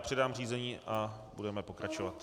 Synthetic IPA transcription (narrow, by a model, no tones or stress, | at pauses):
pr̥ɛdaːmr̝iːzɛɲiːʔabudɛmɛpo̞kɾat͡ʃovat̪